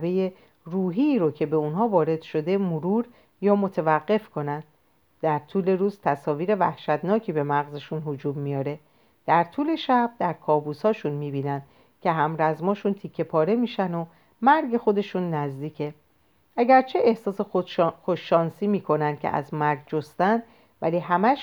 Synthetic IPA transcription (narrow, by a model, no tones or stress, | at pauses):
beje | ruːɦiːɾocʰe̞be̞unɦɒːvɒːɾe̞d̪̥ʃo̞d̪e̞moɾuːɾ | jɒːmo̞t̪ʰevæɣːe̞fkʰo̞nænd̪̥ | d̪æɾt̪ʰuːle̞ɾuːzt̪ʰæsɒːviːɾe̞væhʃæt̪nɒːcʰiːbe̞mæɣzeʃunhod͡ʒuːmːijɒːɾe̞ | d̪̥æɾt̪ʰuːle̞ʃæb̚d̪æɾkʰɒːbuːshɒːʃunmiːbiːnænd̪̥ | cʲʰe̞ɦæmɾæzmɒːʃunt̪ʰiːkʰːe̞pʰɒːɾe̞miːʃæno̞ | mæɾɡe̞xo̞d̪e̞ʃunːæzd̪iːcʰe̞ | ʔæɟæɾt͡ʃʰe̞ehsɒːse̞xoʃːɒːnsiːmiːkʰo̞nænd̪̥̚cʰʲḛʔæ̰zmæɾɡd͡ʒost̪ænd̪ | væ̰liːɦæmæʃ